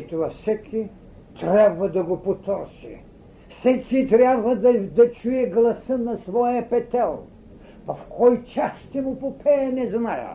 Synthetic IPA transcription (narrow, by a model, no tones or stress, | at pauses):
it̪ovafsɛkʰʲi | t̪ɾʲabvɐd̪ɐɡopot̪ɔɾsḭ | fsɛkʰʲit̪ɾʲabvɐd̪ɐd̪ɐt͡ʃujɛɡlˠɐsənɐsvɔjɐpɛt̪ɛlˠ | pɐfkʰɔjt͡ʃasʃt̪ɛmʊpopʰɛɛnɛznajə̰